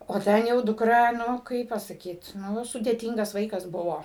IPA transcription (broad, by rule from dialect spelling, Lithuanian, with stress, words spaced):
oː ˈtʲɛn jɛʊ dʊkˈrɐ ˈnʊ ˈkɐɪp pɐsɐˈkʲiːt ˈnʊ sʊdʲeːˈtʲɪŋɡɐs ˈʋɐɪkɐs ˈbʊʋoː